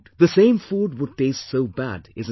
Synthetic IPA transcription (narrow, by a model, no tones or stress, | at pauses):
ðəsẽɪ̃mfuːɖ̚wʊd̚ʈeɪstsoʊbæ̰dɪz̃